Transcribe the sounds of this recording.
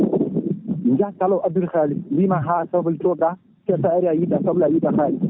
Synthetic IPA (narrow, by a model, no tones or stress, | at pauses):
nd͡ʒatalawʔadulxalilimaɦasabultokʼa | sesaaɾiajidasablajidaxaːli